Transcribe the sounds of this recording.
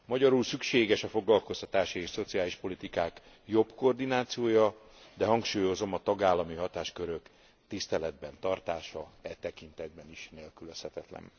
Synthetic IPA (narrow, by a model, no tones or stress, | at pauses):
mɒɟɒɾulsykʃeːɡɛʃɒfo̞ɡlɒlko̞st̪ɒt̪aːʃieːʃso̞t̪siaːliʃpo̞lit̪ikaːk | jo̞bkoːrd̪inaːt̪sijoːjɒ | d̪ɛɦɒŋkʃuːjo̞zo̞mɒt̪ɒɡaːlːɒmiɦɒt̪aːʃkøɾøk | t̪ist̪ɛlɛd̪bɛnt̪ɒrt̪aːʃɒɛt̪ɛkint̪ɛd̪̚bɛniʃneːlkyløshɛt̪ɛt̪lɛ̰n